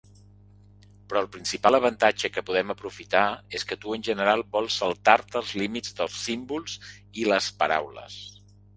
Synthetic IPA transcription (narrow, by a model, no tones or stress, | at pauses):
pɾɔːlˠpɾinsipalˠəβ̞ənt̪ad͡ʒəkəpuðɛməpɾufit̪aeskət̪uənʲʒənəɾalˠbɔlˠsəlˠt̪aɾt̪əːlˠzlimid͡zd̪əlˠsimbulˠz̥iləspəɾa̰wlə̰s